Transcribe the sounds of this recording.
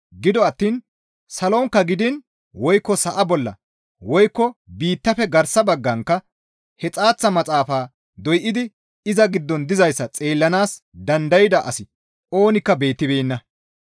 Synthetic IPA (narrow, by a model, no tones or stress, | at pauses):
ɡɪd̪ɔɐt̪ːiːn | sɐloːŋkːɐɡɪd̪ɪn | wɔjkːɔsɐʔɐbɔlːɐ̰ | wɔjkːɔbiːt̪ːɐfɛɡɐɾsɐbɐɡːɐŋkːɐ | hɛt͡sʼaːt͡sːɐmɐt͡sʼaːfaː | d̪ɔjʔɪd̪ɪ | ɪzɐɡɪd̪ːɔnd̪ɪzɐjsːɐt͡sʼe̞ːlːɐnaːs | d̪ɐnd̪ɐjɪd̪ɐʔɐsɪ | ʔo̞ːnɪkːɐbe̞ːt̪ːɪbeːnːɐ